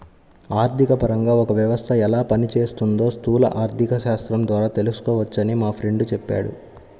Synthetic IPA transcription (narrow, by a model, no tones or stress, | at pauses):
aːɾt̪ʰikɐpɐɾɐŋɡaːɔkɐʋjɐʋɐst̪ʰɐɛlaːpɐnit͡ʃeːst̪und̪o̞ːst̪uːlɐ̰ʔaːɾt̪ʰikɐʃaːst̪ɾɐmd̪ʋaːɾaːt̪e̞lusu̥kɔːʋɐt͡ʃːɐnimaːpʰɾe̞ɳɖut͡ʃɛpːa̰ːɽṵ